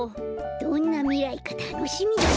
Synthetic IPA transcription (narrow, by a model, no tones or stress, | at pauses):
d̪̥õnːamʲiɾaikḁt̪anoɕimʲid̪a